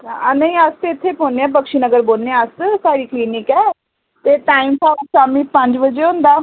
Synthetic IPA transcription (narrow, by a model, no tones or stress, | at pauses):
nəĩːəst̪eɪt̪ʰːeːpoːneɛ̃ːp̬əkʃiːnəɡəɾboːlneɛ̃əssaːɾiːkliːnɪkɛː | t̪eːʈaːimpʰaːsaːmĩːpə̃ɲd͡ʒbəd͡ʒeːɦʊ̃nd̪aː